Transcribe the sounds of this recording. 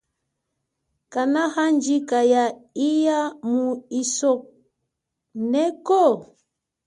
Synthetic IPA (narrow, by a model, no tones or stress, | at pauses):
kanahand͡ʒikajaijamuisɔk̚ | nɛkɔ